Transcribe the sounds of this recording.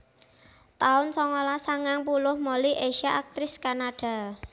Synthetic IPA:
t̪aʊnsɔŋɔlasaŋaŋpulʊhmoliʔeʃaak̚t̪ɾɪskanaɖ̥a̤

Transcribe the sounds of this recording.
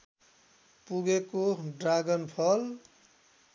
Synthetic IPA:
puɡekoɖraɡʌnpʰʌl

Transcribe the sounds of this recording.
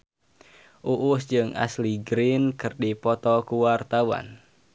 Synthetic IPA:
ʔuʔʊsd͡ʒɨŋa̰sliɡɾinkɨrdipɔt̪ɔkuwart̪awa̰n

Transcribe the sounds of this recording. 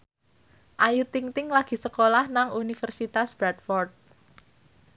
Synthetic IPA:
ʔajut̪iŋt̪ɪŋlaɡ̥i̤səkolahnaŋunifərsit̪asb̥ɾat̪fɔrt̪̚

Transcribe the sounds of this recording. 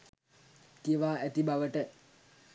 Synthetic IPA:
t̪iəʋaːæt̪ibaʋəʈə

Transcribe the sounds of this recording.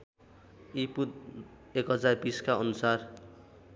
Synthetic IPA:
ipud̪ | ekɦʌd͡zarbiskaʌnusar

